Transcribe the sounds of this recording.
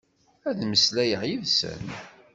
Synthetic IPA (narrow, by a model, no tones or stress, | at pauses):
æðməslæjəʕjiðsə̰n